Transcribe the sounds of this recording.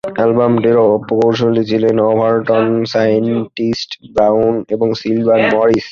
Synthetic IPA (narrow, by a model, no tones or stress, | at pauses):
ɛlbamɖeɾopokoɾʃ̬olit͡ɕʰilenɔbʱaɾʈɔnsajenʈisʈbawnebɔŋsilbʱanmɔɾis